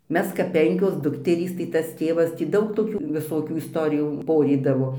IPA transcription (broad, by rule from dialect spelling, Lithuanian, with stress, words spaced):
ˈmʲɛs kɐp ˈpʲɛŋʲkʲoːs ˈdʊktʲɛrʲiːs tɐɪ ˈtɐs ˈtʲeːʋɐs tʲiː ˈdɐʊk toːˈkʲuː ʋʲɪˈsoːkʲuː ɪsˈtoːrʲɪjuː ˈpoːrʲiːdɐʋoː